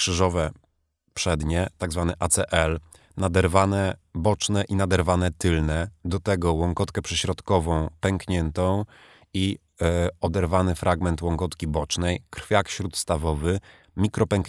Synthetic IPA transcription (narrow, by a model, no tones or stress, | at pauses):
kʂɘʐɔvɛ | pʂɛd̪ɲɛt̪aɡzvanɛʔat̪sɛʔɛl | nad̪ɛɾvanɛbɔt͡ʂnɛʔinad̪ɛɾvanɛt̪ɘlnɛd̪ɔt̪ɛɡɔwɔŋkɔt̪kɛpʂɛɕɾɔt̪kɔvɔ̃w̃pɛŋkɲɛnt̪ɔ̃w̃ | i | ɔd̪ɛɾvanɘfɾʔaɡmɛnt̪wɔŋkɔt̪kʲibɔt͡ʂnɛjkɾ̥fʲjakɕɾut̪st̪avɔvɘ | mʲikɾɔpɛŋk